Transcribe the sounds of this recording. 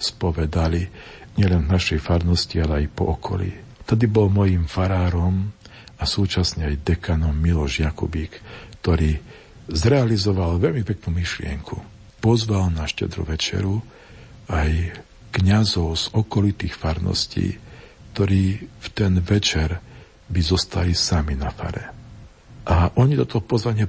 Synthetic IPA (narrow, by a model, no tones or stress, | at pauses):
spɔʋɛd̪ali | ɲɪɛlɛnvnaʃɛjfaɾnɔscialɛajpɔ̰ɔkʰɔ̰lḭ | t̪ɔd̪ibɔlmɔjiːmfaɾaːɾɔm | asuːt͡ʃasɲɛajd̪ɛkanɔmːilɔʒjakṵbikt̪ɔɾiː | zɾɛalizɔʋalʋɛʎmipɛknumiʃlɪɛ̰ŋkʰṵ | pɔzʋalnaʃcɛ̰d̪ɾṵʋɛt͡ʃɛ̰ɾu | aj | kɲazɔʊz̥ɔkɔlit̪iːxfaɾnɔ̰scḭːkt̪ɔɾiːft̪ɛnʋɛt͡ʃɛɾ | bizɔst̪alisaminafa̰ɾɛ | ʔaʔɔɲit̪ɔt̪ɔpɔzʋaɲɪɛ